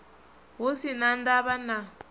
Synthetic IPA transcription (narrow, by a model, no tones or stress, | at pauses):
ɦosinandaβana